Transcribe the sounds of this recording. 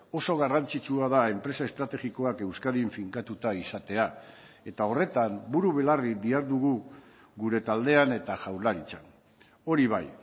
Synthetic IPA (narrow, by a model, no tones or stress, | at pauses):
o̞so̞ɣ̞arant͡sit͡ʃuaðae̞mpɾe̞sae̞st̪ɾat̪e̞ɣiko̞ake̞wskaðiɱfiŋkat̪ut̪aisat̪e̞a | e̞t̪ao̞re̞t̪ambuɾuβe̞larid̪iaɾðuɣu | ɣuɾe̞t̪ald̪e̞ane̞t̪aʝawɾlaɾit͡san | o̞ɾiβ̞aj